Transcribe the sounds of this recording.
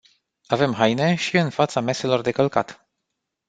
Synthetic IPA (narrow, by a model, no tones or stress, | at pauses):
ave̞mɦajne̞ʃiɨnfat̪same̞se̞lo̞rd̪e̞kəlka̰t̪